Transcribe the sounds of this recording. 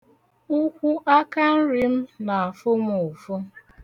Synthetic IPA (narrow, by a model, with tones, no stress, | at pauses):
ʊ˦kʷu˦ʔa˦ka˦n̩˦ɾi˦m̩˦na˨a˨fʊ˦m˦ʊ˨fʊ˦